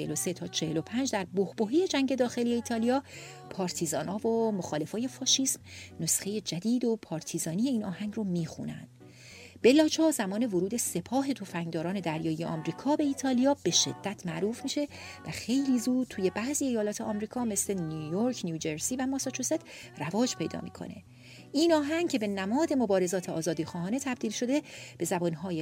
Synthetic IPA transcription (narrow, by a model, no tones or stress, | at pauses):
elose̞t̪ʰɒːt͡ʃʰehelo̞pʰænd͡ʒd̪æɾbohboɦiːje̞d͡ʒæŋɟe̞d̪ɒːxe̞lijeiːt̪ʰɒːlijɒː | pʰɒːɾt̪ʰizɒːnɒːvomoxɒːle̞fɒːjefɒːʃiːsmno̞sxe̞je̞d͡ʒæd̪iːd̪o̞pʰɒːɾt̪ʰiːzɒːnije̞iːnɒːhæŋɡromiːxṵnæ̰nd̪̥ | be̞lɒːt͡ʃʰɒːzæmɒːnevoɾuːd̪e̞se̞pʰɒːɦe̞t̪ʰo̞fæŋd̪ɒːɾɒːne̞d̪æɾjɒːije̞̰ʔɒːmɾiːkʰɒːbe̞iːt̪ʰɒːlijɒːb̥e̞ʃe̞̰d̪̥ːæt̪ʰmæʔɾuːfmiːʃe̞ | væxe̞jliːzuːd̪̥̚t̪ʰuːje̞bæziːe̞jɒːlɒːt̪ʰeʔɒːmɾiːkʰɒːme̞sle̞nujoɾkʰnjuːd͡ʒeɾsiːvæmɒsɒt͡ʃʰoset̪rævɒːd͡ʒpʰe̞jd̪ɒ̰ːmḭːkʰo̞̰ne̞̰ | ʔiːnɒːɦæŋcʰe̞be̞næmɒːd̪e̞mo̞bɒːɾe̞zɒːt̪ʰeɒːzɒːd̪iːxɒːɦɒːne̞t̪ʰæb̚d̪iːlʃo̞d̪e̞b̥e̞zæbɒnɦɒːje